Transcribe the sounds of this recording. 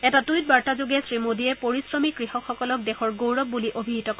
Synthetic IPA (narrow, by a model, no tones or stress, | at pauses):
ɛtatujt̚baɹtazoɡɛsɹimodijɛpoɹisɹɔmikɹihɔkxɔkɔlɔk̚dɛxɔɹɡowɹɔb̚buliʔobʱiɦitɔkɔ